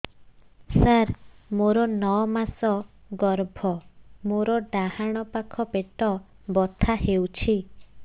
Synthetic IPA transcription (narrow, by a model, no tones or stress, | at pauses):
saɾmoɾɔnɔɔmasɔ | ɡɔɾbʱɔmoɾɔɖahaɽ̃ɔpakʰɔpeʈɔ | bɔt̪ʰahewt͡ʃʰi